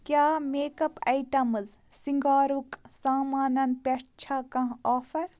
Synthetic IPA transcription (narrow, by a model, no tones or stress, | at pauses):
kʲjaːmeːkɐpɐjʈɐmɨzsiŋɡaːɾuksaːmaːnɐnpeʈt͡ʃʰaːkɐ̃ɦaːfɐɾ